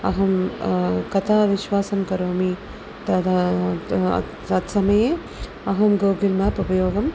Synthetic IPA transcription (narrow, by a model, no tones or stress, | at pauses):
ɐ̰ɦɐm | kɐt̪ʰaːʋiʃʋaːsɐmkɐɾoːmi | t̪ɐt̪ː | ɐt̪sɐmɐjeː | ɐɦɐmɡoːɡilmɐːpupɐjoːɡɐm